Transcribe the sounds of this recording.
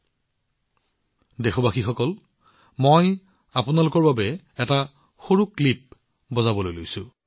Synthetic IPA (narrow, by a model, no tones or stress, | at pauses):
dexɔbaxixɔkɔl | moj | apunalʊkɔɹbabɛ | ɛta | xoɹuklip̚ | bɔzabɔlojlojsʊ